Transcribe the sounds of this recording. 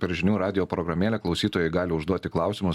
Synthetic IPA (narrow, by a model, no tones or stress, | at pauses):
pʲɛɾʒʲɪnʲuːɾɑːd̪ʲɪjoːpɾɔɡɾɐmʲeːlʲɛklˠɐʊsʲiːt̪oːjɛɪɡɑːlʲɪʊʒd̪uɔt̪ʲɪklˠɑʊsʲɪmʊ